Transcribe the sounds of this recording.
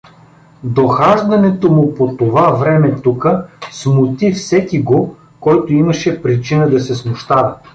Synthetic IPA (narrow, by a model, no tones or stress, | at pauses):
d̪oxaʒd̪ɐnɛt̪omʊpot̪ovavɾɛmɛt̪ukəsmʊt̪ifsɛkiɡo | kɔjt̪oimɐʃɛpɾit͡ʃinəd̪ɐsɛsmʊʃt̪aɾɐ